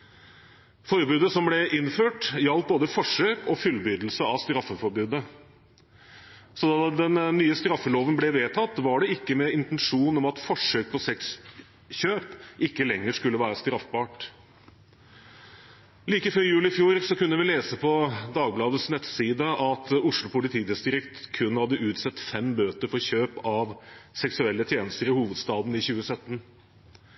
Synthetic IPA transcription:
fɔɾbʉːd̪əsɔmblɛʔɪnføːʈjɑlt̪̚boːd̪əfɔʂøːkɔfʉlbyːd̪l̩səɑʋst̪ɾɑfːəfɔɾbʉːd̪ə | sɔd̪ɑːd̪ɛnːyːəst̪ɾɑfːəloːʋənblɛʋeːt̪ʰɑt̪ːʋɑɖɛɪkːəmɛɪnt̪ɛnʂuːnɔmɑt̪fɔʂøːk̚pʰɔsɛks | çøːpɪkːəlɛŋːəɾʂkʉlːəʋæːɾəst̪ɾɑfbɑːʈ | liːkəɪføːɾjʉːlɪfjuːɾsɔkʉnːəʋɪleːsəpʰɔd̪ɑːɡblɑːd̪əsnɛt̪siːd̪əʔɑt̪ʊʂlʊpʰʊlɪt̪ʰiːd̪ɪsd̪ɪɾɪkt̪kʰʉnːhɑd̪ːəʔʉːt̪sɛt̪ːfɛmbøːt̪əɾfɔɾçøːpɑʋsɛksʉɛlːət̪ʰjeːnəst̪əɾɪhuːʋəd̪st̪ɑːd̪n̩ɪçʉːəsœt̪ːən

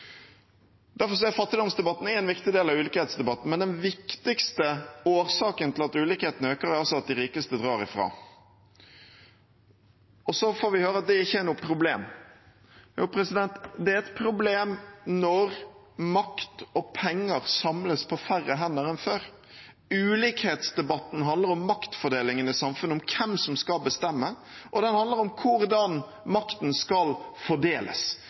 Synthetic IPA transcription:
d̪æɾfɔɾs̬ɔæfɑt̪ːɪd̪ɑmsd̪ɛbɑt̪ːn̩æɾɛɪnʋɪkt̪ɪd̪eːlɑʋʉːlɪkəheːt̪sd̪ɛbɑt̪ːn̩mɛnd̪ɛnʋɪkt̪ɪkst̪əoːɾsɑːkənt̪ʰɪlɑt̪ʉːlɪkəheːt̪nəøːkəɾæɾɑsɔɑt̪̚d̪ɪɾiːkəst̪əd̪ɾɑːɾɪfɾɑ̰ː | ɔsɔfoːɾʋɪhøːɾəɑt̪̚d̪ɛɪçːəænuːpʰɾʊblḛːm | juːpʰɾɛsɪd̪ɛnt̪d̪ɛæɾɛt̪pʰɾʊbleːmnɔɾ | mɑkt̪ɔpʰɛŋːəɾsɑmləspʰɔfæɾəɦɛnːəɾɛnføːɾ | ʉːliːkheːt̪sd̪ɛbɑt̪ːn̩ɦɑnd̪ləɾɔmːɑkt̪fɔɖ̪eːlɪŋənɪsɑmfʉnəɔmkʰɛmsɔmskɑlbəst̪ɛmːə | ʔɔd̪ɛnhɑnd̪ləɾɔmkʰʊɾd̪ɑn | mɑkt̪nskɑlfɔɖeːlʔə̰s

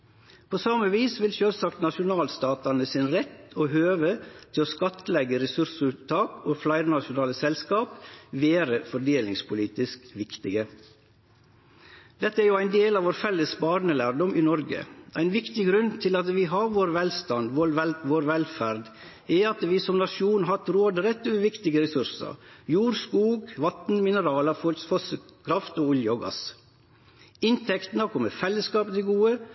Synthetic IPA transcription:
pʰoːsɑməʋiːsʋɪlʃøːlsɑkt̪nɑʃʊnɑːlst̪ɑːt̪ɑnəsɪnɾɛt̪ːoːɦøːʋət̪ʰɪloːskɑt̪əlɛɡəɾɛsʉɾsʉːt̪ʰːɑːkoːflɑɪɾnɑʃʊnɑːləsɛlskɑːpʋeːɾəfɔɖeːlɪŋspʰʊliːt̪ɪskʋɪkt̪ɪɡə | d̪ɛt̪ːəæɾjʊæɪnd̪eːlɑːʋoːɾfɛlːəsbɑːɾnəlæːɾɖɔmɪːnɔɾɡə̰ʔæɪnʋɪkt̪ɪɡɾʉnt̪ʰɪlɑt̪ʋɪɦɑɾʋoːɾʋɛlst̪ɑnd̪ʋoɾɛʋoːɾʋɛlfæɾd̪ | ɛɑt̪ʋiːsɔmnɑʂuːnɦɑt̪ɾoːd̪ɾɛt̪ːʉəʋɪkt̪ɪɡəɾɛsʉɾsə̰ɾjuːɾskuːɡʋɑt̪n̩mɪnəɾɑːləfɔlfɔsəkʰɾɑft̪oːʊljɔɡɑ̰s | ɪnt̪ʰɛkt̪n̩əkʰɔmːəfɛlːəskɑːpt̪ʰɪɡuːə

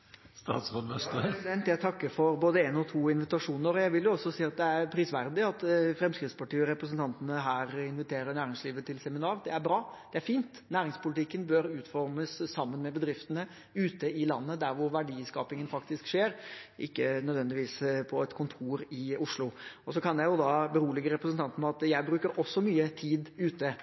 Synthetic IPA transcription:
st̪ɑ̰ːt̪sɑɛst̪d̪ɛnt̪jæɪt̪ʰɑkːəɾfɔɾboːd̪əeːnɔt̪ʰuːɪnʋɪt̪ɑʂuːnəɾɔjæɪʋɪljʊɔsːɔsiːɑt̪̚d̪ɛæɾpʰɾiːsʋæɾd̪ɪɑt̪fɾɛmskɾɪt̪spɑʈiːɔɾɛpɾəs̬ənt̪ʰɑnt̪ənəɦæːɾɪnʋɪt̪ʰeːɾəɾnæːɾɪŋsliːʋət̪ʰɪlsɛmɪnɑːɾd̪ɛæɾbɾɑːd̪̥ɛæɾfiːnt̪næːɾɪŋspʊlɪt̪ʰɪkːənbøɾʉːt̪fɔɾməsːɑmːənmɛbəd̪ɾɪft̪ənə | ʉːt̪əɪlɑ̰nːəd̪æɾʋʊɾʋæɖiːskɑːpɪŋənfɑkt̪ɪskʂeːɾʔɪkːənœd̪ʋɛnd̪ɪʋiːspʰɔɛt̪kʰʊnt̪ʰuːɾɪʊʂlʊɔsɔkʰɑnjæɪjʊd̪ɑːbəɾuːlɪɡəɾɛpɾəsənt̪ʰɑnt̪ənɑt̪jæɪbɾʉːkəɾʔɔsːɔmyːət̪ʰiːd̪ʉːt̪ə

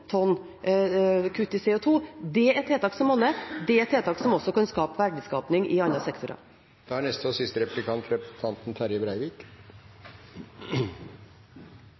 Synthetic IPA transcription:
t̪ʰɔn | kʰʉt̪ːɪsɛʊt̪ʰuːd̪ɛɛt̪ʰːeːt̪ɑːksɔmɔnːəd̪ɛɛt̪ʰːeːt̪ɑːksɔmɔsːɔkʰɑnskɑːpʋæɖɪskɑːpnɪŋʔɪɑlːɑsɛkt̪ʊɾɑ̰ | d̪̥ɛhæɳɛst̪ɔsɪst̪əɾɛpʉ̥lɪkʰɑnt̪ɾɛt̪ʰɑnt̪n̩t̪ʰæɾjəbɾæɪʋiːk

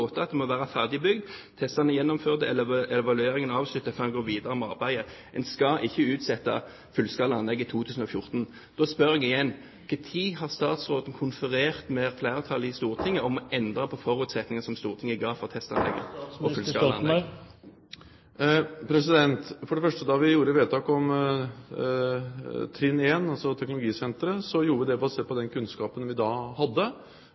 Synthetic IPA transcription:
oːt̪əɑt̪̚d̪ɛmɔʋæːʁɑfæʁd̪ɪɪbʏɡd̪t̪ʰɛst̪ɑnəjɛnːɔmføːʁd̪əɛləɛʋɑlʉeːɾɪŋənɑːʋslʉt̪ːəfɔɛnɡoːʋiːd̪ɑʁəmɑʁbæɪə | ʔɛnskɑʔɪçːəʉːt̪sɛt̪ːɑ̰ | fʉlskɑːləɑnlɛɡːɪt̪ʰuːt̪ʰʉːsn̩ɔfjʊʁt̪n | d̪̥oːspœʁɛɡɪjɛnː | kʰɛt̪ʰiːhɑʁst̪ɑːt̪sʁoːd̪n̩kʰʊnfəɾeːʁt̪mɛflæːʁət̪ʰɑlɪst̪uːʁt̪ʰɪŋːəɔmɔɛnd̪ʁɑpʰɔfɔʁʉːt̪sɛt̪nɪŋəsɔmst̪uːʁt̪ʰɪŋːəɪɡɑːfɔʁt̪ʰɛst̪ɑ̰nlɛ̰ɡːə̰ɔʉlskɑ̰ɑ̰nɛ | pʰɾɛs̬ɪd̪ɛnt̪fɔɖɛfœʂʈəd̪ɑʋɪjuːɾəʋeːt̪ʰɑːkɔm | t̪ʰɾɪneːnɑlsɔt̪ʰɛknʊlʊɡiːsɛnt̪ɾəsɔjuːɾəʋəɪd̪ɛbɑseːpɔd̪ɛnkʰʉnskɑːpənʋɪd̪ɑhɑd̪ːə

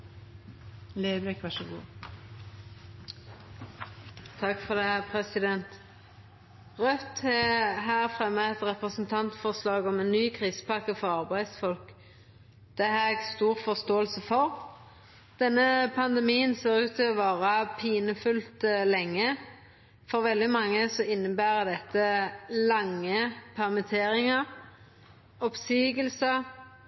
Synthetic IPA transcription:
leːd̪ʋekʋæʂəɡṵː | t̪ʰɑkfɔʁd̪ɛpʰʁɛsɪd̪ɛnt̪ | ʁœt̪ɛɦæːʁfʁɛmːəɛt̪ʁɛpʁəsnt̪ʰɑnt̪fɔʁslɑːɡɔmɛnːyːkʰʁiːsə̥pɑkəfɔʁɑʁbæɪd̪sfɔlk | d̪̥ɛɦæːʁɛɡst̪uːʁfɔst̪oːəlsəfɔʁ | d̪̥ɛnːəpʰɑnd̪ɛmiːənseːʁʉːt̪ʰːɪɔʋɑːʁɑpʰiːnəfʉlt̪lɛŋːə | fɔʁʋɛld̪ɪmɑŋːəsɔɪnːəbæːʁəd̪ɛt̪ːəlɑŋːəpʰæʁmɛt̪ʰeːɾɪŋəʁ | ɔpsiːɡəlsə

